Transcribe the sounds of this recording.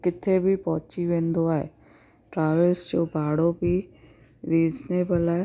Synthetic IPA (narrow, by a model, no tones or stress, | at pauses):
kɪt̪ʰebʱɪpɐɦʊ̃t͡ɕiʋẽːnd̪oaːɦḛ | ʈɾaːʋəlsd͡ʑoːbʱaːɽobɪ | ɾiːzneːbəlaːɦe